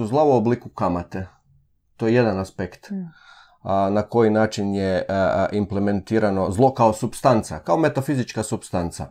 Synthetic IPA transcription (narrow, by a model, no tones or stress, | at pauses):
uzlˠauoblikukamat̪e | t̪ojeje̞d̪anaspekt̪ | nako̞jinaːt͡ʃinjeʔimple̞me̞nt̪iːɾano̞zlˠo̞kao̞supst̪ant̪sa̰kaome̞t̪afizit͡ʃkasupst̪ant̪sa̰